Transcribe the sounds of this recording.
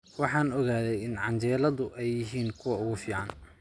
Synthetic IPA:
wɑħɑːnɔɣaːðɛjɪnʕɑɲt͡ʃɛːlɐðʊʔɛjːɪɦiːnkʰʊwɐʊɣʊfiːʕɑn

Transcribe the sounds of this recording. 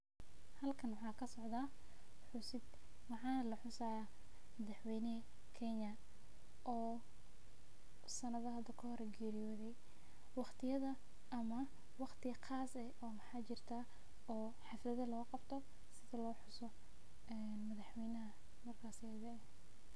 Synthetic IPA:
hɐlkʰɐnwɑħɑːkʰɐsɔʕd̪aː | ħʊsɪd̪ | wɑħɑːnɐlɐħʊsaːja | mɐðɑħwɛjnɛ | kʰɛɲɐ | ʔɔː | sɐnɐðɐɦɐd̪ɐkʰɐhɔɾɛɡɛːɾɪjɔːðɛj | wɑχt̪ʰɪjɐðɐ | ɐmɐ | wɑqt̪ʰɪɐqʰaːsɛʔɔːmɑħɑːt͡ʃɪrt̪ʰaː | ɔː | ħɪflɐðɐlɔːqɑbt̪ʰɔ | sɪðɐlɔːħʊsɔ | ɛ | nmɐðɐħwɛjnɐɦɐ | mɐrkʰaːsɪɐðɐɛ

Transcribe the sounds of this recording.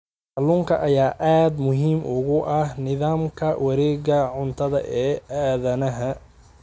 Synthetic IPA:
ħɑluːŋkʰɐʔɐjaːʔaːd̪mʊɦiːmʔʊɣʊʔɐhnɪðaːmkʰɐwɐɾɛːɣɐʕʊnt̪ʰɐðɐ̰ʔɛːaːðɐnɐɦɐ

